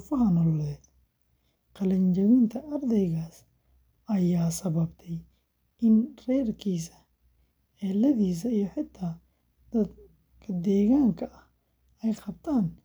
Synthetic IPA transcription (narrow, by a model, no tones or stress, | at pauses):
fɐɦɐnɔllɛːd̪ | qɑlɐɲt͡ʃɐwɪnt̪ʰɐʔɐrd̪ɛjɣaːs | ɐjaːsɐβɐbt̪ʰɛj | ʔɪnrɛːrkʰiːsɐ̥ | ɛːlɐðiːs̬ɐijɞħɪt̪ʰːaː | d̪̥ɐd̪ | kʰɐd̪ɛːɣaːŋkʰɐʔɐh | ɛjqɑb̚t̪ʰaːn